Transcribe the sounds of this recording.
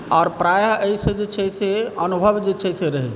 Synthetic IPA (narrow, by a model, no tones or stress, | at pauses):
ɔːɾpɾaːjəʔeisəd͡ʒet͡ʃʰɛseənubʱəʋd͡ʒet͡ʃʰɛseɾəɦe